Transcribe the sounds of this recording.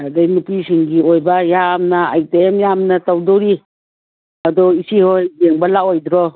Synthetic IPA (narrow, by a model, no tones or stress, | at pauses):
adajnupisiŋɡiojbajamnaaj̚teemjamnɐtawdɔɾi | ɐdɔisihojɡeŋbɐlaojd̪ɾɔ